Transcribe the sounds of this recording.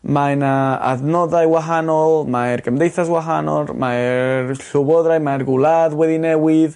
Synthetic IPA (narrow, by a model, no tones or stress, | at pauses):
manaa̰ðnɔðajwaɦanɔlˠmaɛrɡəmdejθaswaɦanɔ̰rmarɬʊvɔðrajmajrɡulˠaðwɛðinɛwɪð